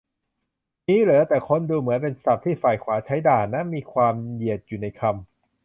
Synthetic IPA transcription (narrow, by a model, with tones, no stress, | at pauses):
niː˦˥ɾɯ˩˦t̪ɛː˨˩kʰo˧nduː˧mɯ˩˦ənpe˧nsa˨˩p̚t̪ʰiː˥˩faː˨˩jkʰwaː˩˦t͡ɕʰa˦˥jdaː˨˩nna˦˥miː˧kʰwaː˧mji˨˩ət̪̚juː˨˩na˧jkʰa˧m